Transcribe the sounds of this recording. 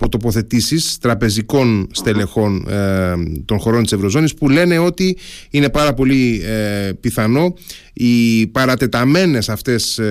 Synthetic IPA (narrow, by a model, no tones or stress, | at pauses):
pot̪o̞po̞θe̞t̪isist̪ɾɐpe̞ziko̞nst̪e̞le̞xo̞n | t̪o̞nxo̞ɾo̞nt̪i̥sevɾo̞zo̞nispule̞ne̞o̞t̪iine̞pɐɾɐpo̞li | piθɐno̞ | ipɐɾɐt̪e̞t̪ɐme̞ne̞sɐft̪e̞s